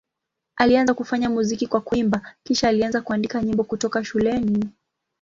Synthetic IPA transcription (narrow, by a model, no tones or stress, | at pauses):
alianzakufaɲamuzikikwakuimbakiʃaːlianzakuandikaɲimbɔkutɔkaʃulɛni